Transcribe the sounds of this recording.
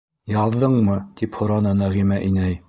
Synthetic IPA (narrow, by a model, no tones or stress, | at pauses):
jɑðːɤɴmɤt̪iphŏɾɑnɤnɑʁimæʔinæj